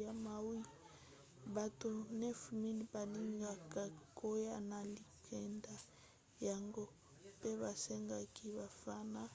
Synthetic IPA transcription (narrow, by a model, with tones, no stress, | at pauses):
a˨ma˨wi˦ | ba˨to˨nɛ˦fmi˦li˨ba˨ni˦ŋɡa˨ka˨ko˦ja˦na˨li˨kʰɛ˨nda˨ | ja˨ŋɡo˦ | pe˦βa˨sɛ˦ŋɡa˨ki˦ba˨fa˦na˦